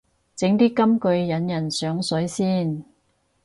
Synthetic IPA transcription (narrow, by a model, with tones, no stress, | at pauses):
t͡sɪ˨˥ŋt̪iː˥kɐ˥mkɵ˧ɥjɐ˨˥njɐ˨˩nsœː˨˥ŋsɵ˨˥jsiː˥n